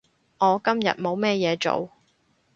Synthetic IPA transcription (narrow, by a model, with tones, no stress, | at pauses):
ŋɔː˨˧kɐ˥mjɐ̰˨t̚mo˨˧wmɛː˥jɛː˨˧t͡ʃo̰˨w